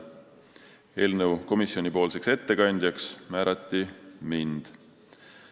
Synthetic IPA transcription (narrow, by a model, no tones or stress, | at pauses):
e̞ːlnəwko̞misjo̞nʲipo̞ːlse̞kse̞t̪ːe̞kɑnʲd̪̥ʲjɑksmæːɾɑt̪ːimind̪̥